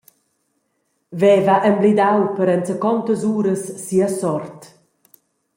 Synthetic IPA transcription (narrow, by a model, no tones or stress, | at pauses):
vɛvaʔəmblid̪awpəɾɛnt͡səkɔnt̪əzuːɾəsːiəsɔrt̪